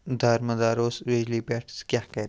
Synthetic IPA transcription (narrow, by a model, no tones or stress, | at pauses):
d̪ʱɐɾməd̪aːɾoːsɾed͡ʒlibɛːʈskʲjaːkɛɾe